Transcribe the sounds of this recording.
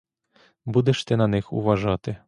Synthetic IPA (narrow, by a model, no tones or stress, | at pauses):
bud̪ɛʃt̪ɪnɐnɪxṵʋɐʐɑt̪ɪ